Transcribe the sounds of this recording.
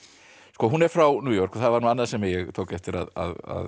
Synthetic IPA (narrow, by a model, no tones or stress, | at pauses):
skɔːɦunɛɾ̥fɾawnuːjɔr̥kɔθaðvaɾnuːanːasɛmjɛɣt̪ʰoːwkɛft̪ɪɾa̰ða̰ða̰ð